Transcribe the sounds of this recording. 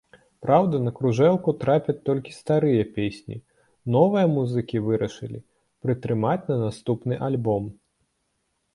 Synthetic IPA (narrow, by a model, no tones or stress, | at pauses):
pɾawd̪ɐnɐkɾuʐɛlˠkut̪ɾapʲɐt̚ʲt̪ɔlʲkʲi̥st̪aɾɨjɐpʲesʲnʲḭ | nɔvɨjɐmuzɨkʲivɨɾɐʂɨlʲḭ | pɾɨt̪ɾɨmat͡sʲnɐnast̪upnɨʔalʲbɔm